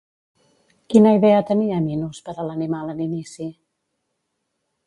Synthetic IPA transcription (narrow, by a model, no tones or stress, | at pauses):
kinəiðɛət̪əniəminuspəɾələnimaləninisi